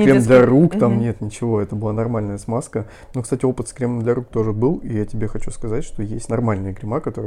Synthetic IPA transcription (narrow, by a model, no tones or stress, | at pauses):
kkʲemd̪lʲɐɾukt̪amnʲe̞t̪nʲɪt͡ɕɪvo̞ɛt̪əbɨlˠanɐrmalʲnəjəsmaskə | nokst̪atʲɪo̞pɨt̪skɾʲeməmd̪lʲɐɾuk̚t̪o̞ʐɨbɨlˠijatʲɪbʲexɐt͡ɕuskɐzatʲʂt̪o̞jesʲtʲnɐrmalʲnəjəɡɾʲɪmakɐt̪o̞ɾə